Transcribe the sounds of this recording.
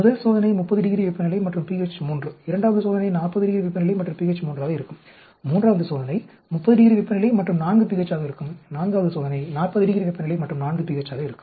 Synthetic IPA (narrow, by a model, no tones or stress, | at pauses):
mʊðɐlsoːðɐnɐɪmʊpːɐðɯɖɪɣɪɾiʋɪpːɐnɪlɐɪmɐʈrɯmpiːɣɐt͡ʃːmuːndrɯɪɾɐɳɖaːʋɐðɯsoːðɐnɐɪnaːrpɐðɯɖɪɣɪɾiʋɪpːɐnɪlɐɪmɐʈːrɯmpiːɣɐt͡ʃːmuːndraːɣɐɪɾɯkːɯmː | uːndraːʋɐðɯsoːðɐnɐɪ | mʊpːɐðɯɖɪɣɪɾiʋɪpːɐnɪlɐɪmɐʈrɯmnaːnɡɯpiɣɐt͡ʃːaːɣɐɪɾɯkːɯmnaːnɡaːʋɐðɯsoːðɐnɐɪnaːrpɐðɯɖɪɣɪɾiʋɪpːɐnɪlɐɪmɐʈrɯmnaːnɡɯpiɣɐt͡ʃːaːɣɐɪɾɯkːɯ̥